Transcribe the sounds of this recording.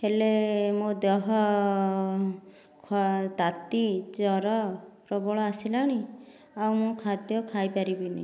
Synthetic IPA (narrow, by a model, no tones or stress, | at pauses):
helemũd̪ɔɦɔ | kʰɔt̪at̪id͡ʒɔɾɔpɾɔbɔɭɔasilañi | awmũkʰad̪jɔkʰajpaɾibinḭ